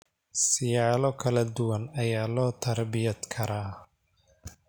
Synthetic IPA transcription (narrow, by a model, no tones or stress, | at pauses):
sɪjaːlɔkʰɐlɐd̪ʊwɐnɐjaːlɔːt̪ʰɐrbɪjɐd̪kʰɐɾaː